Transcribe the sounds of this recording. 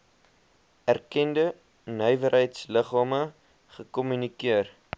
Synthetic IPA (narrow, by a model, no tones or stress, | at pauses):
ærkɛndə | nœjvəɾɦəjtsləχɑːmə | χəkɔmynikiər